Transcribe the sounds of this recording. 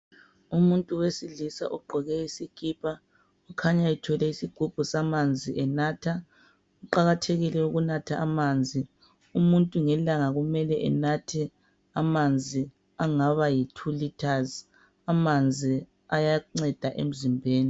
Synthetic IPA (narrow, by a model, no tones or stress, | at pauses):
umuntʼuwesilisa̰ʔuɡ͡ǃʱɔɣɛisiɡ̥ʱʼiːpʰʼa | ukʰaɲaitʰɔlɛisiɡ͡ǃ̥ʱub̥ʱusamand͡zʱiʔɛnaːtʰa | uǃaɣatʰeɣilɛuɣunatʰaʔamand͡zʱi | umuntʼuŋɛlaŋaɣumɛlɛʔɛ̰natʰɛ | amand͡zʱi | aŋaβajitʰulitʰaz | amand͡zʱi | ajaŋ͡ǀɛd̥ʱaʔḛm̩zimbʱeːni